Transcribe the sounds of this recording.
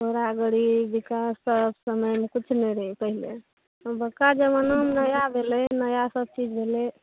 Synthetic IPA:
oɾaɡəɽibikasːəbsəməjmekit͡ʃʰnɛɾəɦipəɦile | ɔbəkːad͡ʒemənomnəjabʱelɛnəjasəb̚t͡ʃid͡ʒbʱele

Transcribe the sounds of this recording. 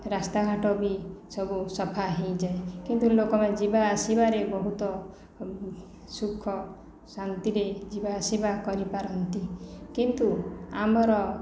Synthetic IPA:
ɾast̪aɡʱaʈɔbisɔbusɔpʰaɦẽjd͡ʒaekint̪ulokɔmed͡ʒibaːsibaɾebɔɦut̪ɔ | sukʰːɔ | saŋt̪iɾed͡ʒibaːsibakɔɾipaɾɔnt̪ikint̪uamɔɾɔ

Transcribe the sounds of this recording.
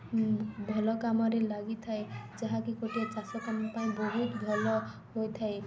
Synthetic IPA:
bʱɔlɔkamɔɾelaɡit̪ʰaed͡ʒaɦãkikoʈijat͡ʃasɔk̪amɔpaĩbɔɦut̪bʱɔlɔ | ɦojt̪ʰaj

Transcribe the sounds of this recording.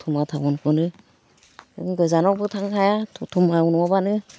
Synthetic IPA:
tʰumatʰabɔnkʰɯnɯ | ŋɡɯzanɔbɯtʰaŋkʰajatʰutʰumaunɔɔbanɯ

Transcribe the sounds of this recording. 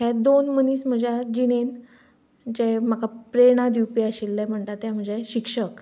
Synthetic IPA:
ɦɛd̪onməniːsm̤əd͡ʑad͡ʑiɽ̃en | d͡ʑemakapɾeɽ̃ad̪iwpiaɕilːɛm̤əɳt̪at̪ːjam̤əd͡zeɕikʂək

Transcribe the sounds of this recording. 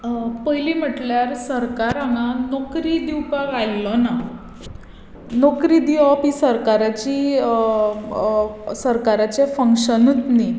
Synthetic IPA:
pəjlim̤əʈljaɾsəɾkaɾaŋɡanɔkɾid̪iwkaɡajlːɔna | nokɾid̪iʋɔpisəɾkaɾat͡ɕiː | səɾkaɾat͡ɕefəŋkɕənut̪ni

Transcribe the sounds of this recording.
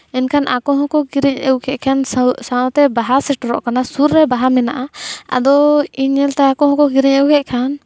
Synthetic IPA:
ɛnkʰanʔakɔɦɔ̃kɔɡiɾɛɲɛwkʰɛʔ̚kʰansaɔt̪ɛbaɦasɛʈɔɾɔ̰ʔkanasuɾːɛbaɦamɛnaʔaa̰d̪ɔiɲɛlt̪ɛakɔɦɔ̃kɔɡiɾɛɲɛwkʰɛʔ̚kʰan

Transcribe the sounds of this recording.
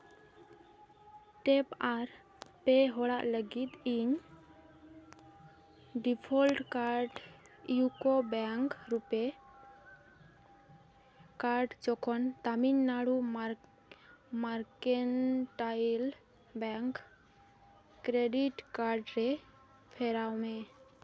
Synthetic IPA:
ʈepaɾ | peɦɔɽaʔləɡit̪iɲ | ɖipʰɔlʈkaɾɖ | jukobɛŋkɾupe | kaɾɖd͡ʒɔkʰɔnt̪aminːaɽum | maɾkenʈajl | bɛŋk | kɾeɖiʈkaɾɖɾe | pʰeɾawmẽ

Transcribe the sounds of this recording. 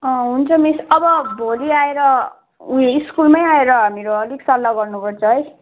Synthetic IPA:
ʌ̃ɦunt͡sʰʌmisʌbʌbʱoliaeɾʌ | ueiskulmʌjaeɾʌameɾoʌliksʌlːaɡʌrnupʌrt͡sʰʌɦʌj

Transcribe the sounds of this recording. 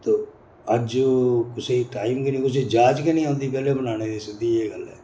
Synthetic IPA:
t̪oː | əd͡ʒkʊseːʈaːiːmkenĩːkʊseːd͡ʒaːd͡ʒkenĩːãːnd̪iːpɛːleːbənaːñeːd̪eːsək̚d̪iːeːɡəlɛ̰ː

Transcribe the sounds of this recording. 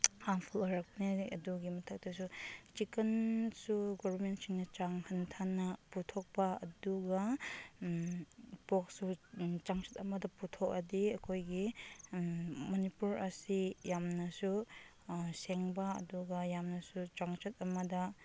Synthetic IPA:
haŋpʰuloɾɐk̚niɐ̰duɡimɐtʰɐk̚tɐs̬ut͡ʃikɐnsuɡobɐɾmentsiŋnɐt͡ʃaŋhɐntʰanːɐputʰok̚pɐɐ̰duɡɐ | pok̚sut͡ʃaŋt͡ʃɐ̥tɐmɐdɐputʰok̚ɐdiɐkʰojɡi | mɐnipuɾɐsijamnɐsu | seŋbɐɐ̰duɡɐjamnɐsut͡ʃaŋt͡ʃɐt̚ɐmɐdɐ

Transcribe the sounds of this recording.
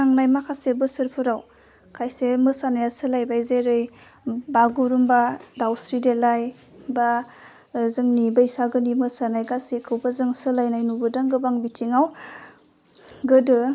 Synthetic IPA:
naŋnajmakʰasebɯsɯɾpʰɯɾaw | kʰajsemɯsanajasɯlajbajzeɾɯj | baɡuɾumbadawsɾidelaj | ba | zɯŋnibaisaɡɯnimɯsanajɡasikʰɯwbazɯŋsɯlajnajnubɯdaŋɡɯbaŋbitʰiŋaw | ɡɯdɯ

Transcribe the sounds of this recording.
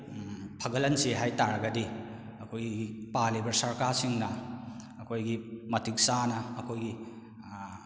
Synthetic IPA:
pʰɐɡɐlɐnseɦajtaɾɐɡɐdi | ɐkʰojɡɡipalebɐɾsɐɾkaɾsiŋnɐː | kʰojɡimɐtiksanɐːkʰojɡi

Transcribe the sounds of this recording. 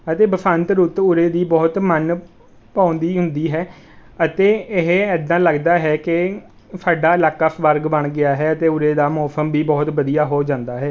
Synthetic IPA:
ət̪eːbəsʰənt̪ɾʊt̪ʊɾeːd̪iːbɔːt̪mən | pãːnd̪iːɦʊnd̪iːɦɛː | ət̪eːɪɦɛd̪ãːləɡd̪aːɦɛːkɪ | sʰaːɖaːləkːəpʰʋəɾɡbəɳɡɪaːɦɛːət̪eːʊɾeːd̪aːmɔːsəmbiːbɔːt̪ʋəd̪ijaːɦoːd͡ʒãːnd̪aːɦɛː

